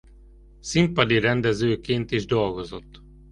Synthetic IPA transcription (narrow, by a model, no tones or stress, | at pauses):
simpɒd̪iɾɛnd̪ɛzøːkeːnt̪iʒd̪o̞lɡo̞zo̞t̪ː